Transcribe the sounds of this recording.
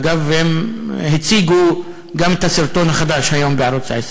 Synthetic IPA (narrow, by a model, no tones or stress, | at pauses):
ɡavhemhet͡siɡu | ɡamet̪hasiɾt̪o̞nhaχad̪aʃhajo̞mbeʕaɾot͡sa̰es